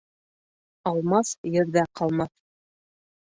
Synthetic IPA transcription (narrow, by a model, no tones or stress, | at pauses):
ɑlˠmɑsjɘ̆ɾðæqʰɑlˠmɑθ